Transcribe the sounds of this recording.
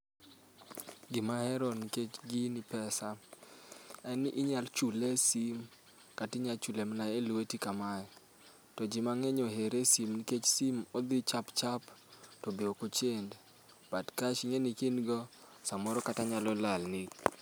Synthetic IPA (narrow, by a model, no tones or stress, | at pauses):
ɡɪmahɛɾɔniket͡ʃɡinipɛsa | ɛnʔiɲalt͡ʃulesim | katɪɲalt͡ʃulemnaelwetikamajɔ | tɔd͡ʒɪmaŋeɲoɦeɾesimniket͡ʃsimɔd̪ɪt͡ʃapt͡ʃaptɔbiokot͡ʃend | b̥adkaʃiɲenikinɡɔsamɔɾɔkataɲalɔlalnɪ